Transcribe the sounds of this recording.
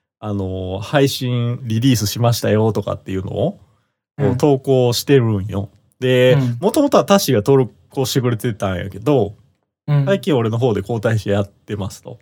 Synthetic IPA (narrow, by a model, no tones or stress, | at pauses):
ano̞haiɕĩɰ̃ɾʲiɾʲiːsɨɕimaɕi̥t̪ajo̞t̪o̞ka̰t̪ːe̞jɯ̟no̞̰ː | koːt̪o̞ːko̞ːɕi̥t̪e̞ɾɯ̟̃ɰ̃jo̞ | d̪e̞mo̞t̪omo̞t̪o̞at̪aɕiɡat̪oɾɯ | ko̞ːɕi̥t̪ekɯ̟ɾe̞t̪e̞t̪ãɰ̃ja̰ke̞d̪o̞ | saikʲĩɰ̃o̞ɾe̞no̞ɦo̞ːd̪e̞ko̞ːt̪aiɕiejat̪ːe̞masɨ̥t̪o̞̰